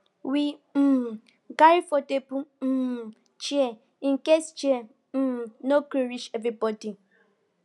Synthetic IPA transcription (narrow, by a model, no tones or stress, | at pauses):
wi | ɡaɹifɔdepu | t͡ʃiɛ | ĩnkest͡ʃiɛ | nokiɹiʃɛvibɔdi